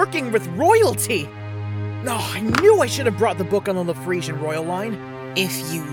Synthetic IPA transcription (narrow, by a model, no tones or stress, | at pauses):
ɜ˞kɪ̃ŋwɨðɹɔɪl̩ˠtʰi | noʊaɪnjuaɪʃʊɾɨvbɹɔt̪̚ðəbʊkn̩əlðəfɹiʒɨ̃nɹɔɪl̩ˠlãɪ̃n | ɪfjɨ